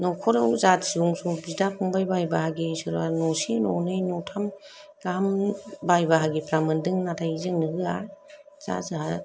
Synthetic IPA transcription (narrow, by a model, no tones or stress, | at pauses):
nɔkʰɔɾɯwzatsiɾuŋsubizdapʰɔŋbajbajbaɦaɡisɯɾa̰nɔsinɔ̰nɯjnɔtʰam | ɡaɦambajbaɦaɡipʰɾamɯndɯŋnatʰajizɯŋnɯɡɯa | z̥a̰zaɦa